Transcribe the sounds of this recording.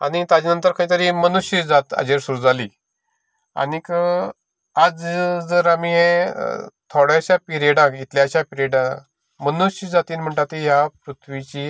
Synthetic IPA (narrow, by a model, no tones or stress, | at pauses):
a̰ñit̪ad͡ʑinənt̪əɾkaĩːt̪əɾimənuɕjid͡zat̪ə̰d͡ʑeɾsuɾuːd͡zaliː | a̰nikə | ad͡zd͡zəɾamiɦḛ | t̪ʰoɽjaɕapiɾieɽãkit̪ʰljaɕjapiɾjeɽã | mənuɕəd͡zat̪iːnm̤əɳʈat̪iɦjapɾut̪ʰʋit͡ɕiː